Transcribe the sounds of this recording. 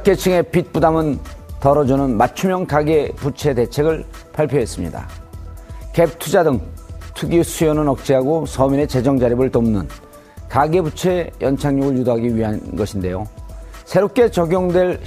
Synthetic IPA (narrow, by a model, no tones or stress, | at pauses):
k͈e̞t͡ɕʰɯŋe̞pit̚p͈udamɯntʌɾʌd͡ʑunɯnmat͡ɕʰumjʌnkaɡe̞put͡ɕʰe̞te̞t͡ɕʰe̞ɡɯɭpʰaɭpʰjoɦe̞s͈ɯmɲḭda̰ | ke̞p̚tʰud͡ʑadɯŋtʰuɡisʰujʌnɯnʌk̚t͡ɕ͈iɦaɡosʰʌmine̞t͡ɕe̞d͡ʑʌŋd͡ʑaɾibɯɭtomnɯn | kaɡe̞but͡ɕʰe̞jʌnt͡ɕʰaŋɲoɡɯɭjudoɦaɡiɥiɦanɡʌɕʰinde̞josʰe̞ɾop̚k͈e̞t͡ɕʌɡjoŋdwe̞ɭ